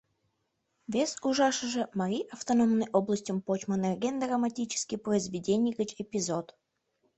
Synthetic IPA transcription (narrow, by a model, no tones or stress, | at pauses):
vʲesuʐɑʂəʐə̆mɐɾʲiʔɐft̪onomnɨjʔoblˠəsʲtʲəmpot͡ɕmənerɡʲend̪rəmɐtʲit͡ɕɪ̥skʲijprəizvʲɪdʲenʲijɡʲət͡ɕepʲizot̪